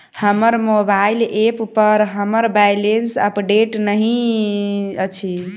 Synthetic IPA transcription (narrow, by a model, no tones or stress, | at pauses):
həməɾmobaileppəɾɦəməɾbajlensə̰pɖeʈnəɦĩ | ət͡ʃʰi